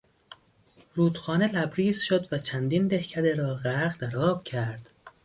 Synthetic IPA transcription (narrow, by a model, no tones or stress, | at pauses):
ɾuːd̪xɒːne̞læbɾiːzʃo̞d̪væt͡ʃʰænd̪iːnd̪e̞hcʰæd̪eɾɒːɣæɾɣd̪æɾɒːb̥̚cʰæɾd̪̥